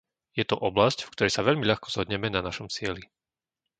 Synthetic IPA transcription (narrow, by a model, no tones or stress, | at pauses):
jɛt̪ɔʔɔblascfkt̪ɔɾɛjsaʋɛʎmiʎaxkɔ̥z̥ɦɔd̪ɲɛmɛnanaʃɔmst͡sɪɛli